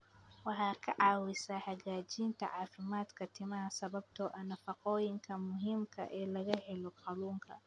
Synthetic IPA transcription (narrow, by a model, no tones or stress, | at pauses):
wɑħɑːkʰɐʕɑːwɪsaħaɣaːt͡ʃiːnt̪ʰɐ̰ʕaːfɪmaːd̪kʰɐt̪ʰɪmɐɦɐsɐβɐb̚t̪ʰɔʔɐnɐfɐqɔːjɪŋkʰɐmʊɦɪmkʰɐ̰ʔɛːlɐɣɐħɛlɔqɑluːŋkʰɐ̰